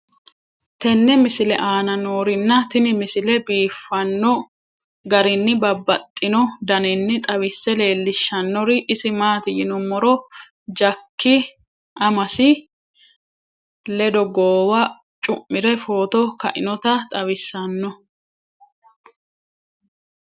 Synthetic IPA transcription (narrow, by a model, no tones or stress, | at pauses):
t̪ɛnːɛmɪsɪlɛʔaːnɐnoːɾɪnːɐt̪ɪnɪmɪsɪlɛbiːfːɐnːɔ | ɡɐɾɪnːɪbɐbːɐt̪ʼːɪnɔd̪ɐnɪnːɪt̪ʼɐwɪsːɛle̞ːlːɪʃːɐnːɔɾɪʔɪsɪmaːt̪ɪjɪnɔmɔɾɔ | d͡ʒɐkːɪ | ʔɐmɐsɪ | lɛd̪ɔɡoːwɐ | t͡ʃʼʊmːɪɾɛfo̞ːt̪ɔkɐʔɪ̰nɔt̪ɐt̪ʼɐwɪsːɐnːɔ